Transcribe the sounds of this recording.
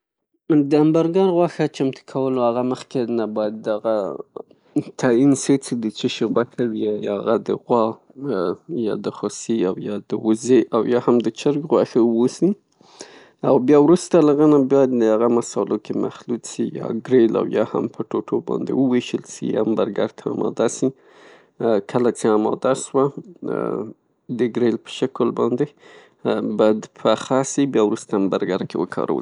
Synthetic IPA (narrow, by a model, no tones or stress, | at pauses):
d̪əambaɾɡɑɾɣwɑxat͡ʃamt̪ə̥kʰawəloaɣaməxkenabɑjad̪ːaɣa | t̪ʰainsit͡sed̪ət͡ʃɪʃewakʰawiajɣad̪əɣwɑ | jɑ̰d̪əxosiawjɑd̪əwʊzeʔawjɑhamd̪ət͡ʃəɾɡɣwɑxawosi | awbjɑwɾust̪alaɣanabjɑjad̪əaɣamasɑlokʰema̰xlut̪sijɑ̰ɡɾela̰wjɑha̰mpʰəʈoʈʰobɑ̰nd̪ḛwəweʃəlsḭa̰mbaɾɡaɾt̪ʰaɑ̰mɑ̰d̪asi | kʰəlat͡seɑmɑ̰d̪aswa | d̪əɡɾelpə̥ʃakəlbɑ̰nd̪e | bɑd̪pʰəaxasibjɑwɾust̪ambaɾɡaɾkewə̰kʰɑ̰ɾa̰wə̰